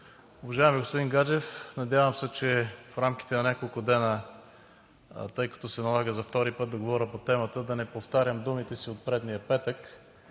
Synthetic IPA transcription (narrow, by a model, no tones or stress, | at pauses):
ʊvɐʒaɛmiɡospʊd̪inɡad͡ʒɛfnɐd̪javəmsɛt͡ʃɛfɾamk̟i̥t̪ɛnɐnʲakolˠkʊd̪ɛnə | t̪ɤjkɐ̥t̪ɔsɛnɐlˠaɡəzɐft̪ɔɾipɤt̪̚d̪ɐɡovɔɾʲəpot̪ɛmət̪əd̪ɐnɛpoft̪aɾʲjəmd̪umit̪ɛsiot̪̚pɾɛd̪nijəpɛt̪ək